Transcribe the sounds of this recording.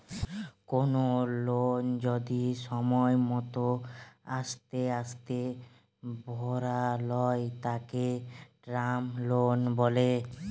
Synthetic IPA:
konolond͡ʑod̪iʃɔmɔemɔt̪oaʃt̪east̪e | bʱɔɾalɔjt̪akeɖɾamlonbɔle

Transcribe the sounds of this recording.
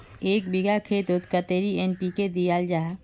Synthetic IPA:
eːk̚bɪɡakʰeːt̪ʊt̪kət̪eːɾienpiked̪ijaːld͡ʒaːɦ

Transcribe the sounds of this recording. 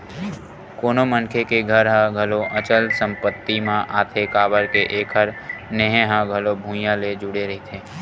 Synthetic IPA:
koːnomənkʰekeɡʱəɾɦãɡʱəloʔət͡ʃəlsə̃mpət̪ːimãʔaːt̪ʰekaːbəɾkeʔeːkʰəɾneɦẽɦãɡʱəlobʱũːjãled͡ʒʊɽeɾəɦet̪ʰeː

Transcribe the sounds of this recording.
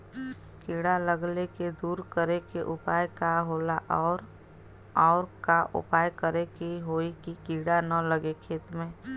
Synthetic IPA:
kiːɽaləɡleked̪uːɾkəɾekeʔʊpaːjkaɦoːlaʔɔːɾ | ɔːɾkaʔʊ̰paːjkəɾekiɦoːikikiːɽanələɡekʰeːt̪mẽː

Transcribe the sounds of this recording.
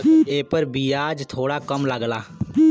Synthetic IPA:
eːpəɾbʱiːaːd͡ʒt̪ʰoːɽaːkəmləɡlaː

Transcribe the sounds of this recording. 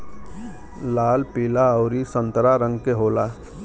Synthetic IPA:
laːlpiːlaəʊɾisə̃nt̪ɾaɾə̃ŋɡkeɦoːla

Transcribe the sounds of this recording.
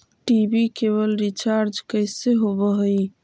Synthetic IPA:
ʈibikeβəlɾit͡ʃaɾd͡ʒkəɪseɦobəɦoj

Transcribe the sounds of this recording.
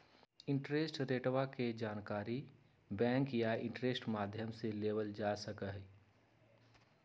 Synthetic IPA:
ɪ̃ɳʈɾeːsʈɾeːʈwaked͡ʒaːnkaːɾi | bɛ̃ːŋkjaɪ̃ɳʈɾesʈmaːd̪ʱjəmseleːʋəld͡ʒaːsəkəɦ

